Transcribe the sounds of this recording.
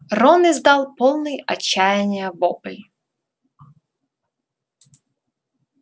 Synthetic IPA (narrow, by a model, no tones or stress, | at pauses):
rɔnɪzd̪ɑlˠpolˠnɨjɐ̰t͡ɕːæjɪnʲɪjəvopɨlʲ